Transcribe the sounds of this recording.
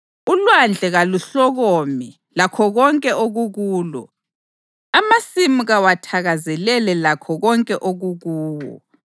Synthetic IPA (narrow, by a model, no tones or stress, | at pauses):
ulwand͡ɮʱɛɣaluɬɔɣɔmi | lakʰɔɣɔŋkʼɛʔoɣuɣuːlɔ̰ | amasimuɣawatʰaɣazɛlɛlɛlakʰɔɣɔŋkʼɛʔoɣuɣuːwɔ̰